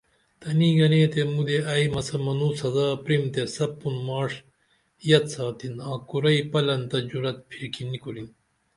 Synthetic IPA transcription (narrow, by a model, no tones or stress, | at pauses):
t̪ɐniɡɐneːt̪emud̪eɐjmɐsɐmɐnuːsɐzaːpɾimt̪esɐpːunmaːʂ | jɐt̪saːt̪inaːkuɾɐipɐlɐnt̪ɐd͡ʑuɾɐt̪̚pʰiɾkʰinikolin